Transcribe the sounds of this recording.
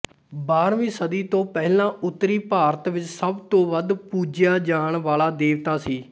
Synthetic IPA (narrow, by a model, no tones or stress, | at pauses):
baːɾʋĩːsəd̪iːt̪õːpɛɦlãːʔʊt̪ːɾiːpaːɾət̪ʋɪt͡ʃsəbt̪õːʋəd̪puːd͡ʒjaːd͡ʒaːɳʋaːlaːd̪eːʋt̪aːsiː